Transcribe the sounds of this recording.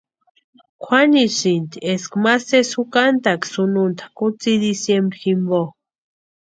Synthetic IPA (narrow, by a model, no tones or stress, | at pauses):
kʷʰanisint̪ieskmasesukant̪aksununt̪ʰḁkut͡sid̪isjembɾiximbo